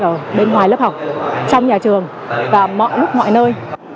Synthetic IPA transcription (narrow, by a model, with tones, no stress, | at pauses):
ʔəː˧˩ɓe˧nɦwaː˨˩jlə˦˥p̚ha˨˩wk͡p̚t͡ɕɔ˧wŋ͡mɲaː˨˩t͡ɕɨ˨˩əŋ | vaː˨˩mɔ̰˧˨jlʊ˦˥k͡p̚mɔ̰˧˨jnəː˧j